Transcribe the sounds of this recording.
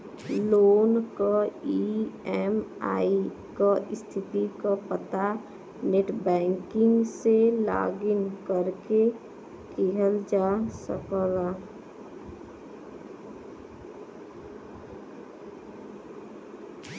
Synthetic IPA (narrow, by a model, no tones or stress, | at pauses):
loːnkaiɛma̰ːi | kaʔɪst̪ʰɪt̪ikapət̪a | neʈbɛ̃ːŋkɪ̃ŋɡsela̰ːɡɪnkəɾke | keɦəld͡ʒaːsəkəla